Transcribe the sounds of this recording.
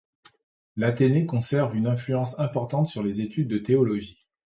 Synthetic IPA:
lat̪enekɔ̃sɛʁvynɛ̃flyɑ̃sɛ̃pɔʁt̪ɑ̃t̪syʁlezet̪yd̪ːət̪eɔlɔʒi

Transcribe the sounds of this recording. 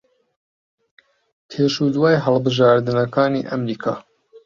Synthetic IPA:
tʰeːʃud̪waːjɦəlˠbɨʒaːɾd̪ɨnɐkaːniːʔɐmɾiːkʰa̰ː

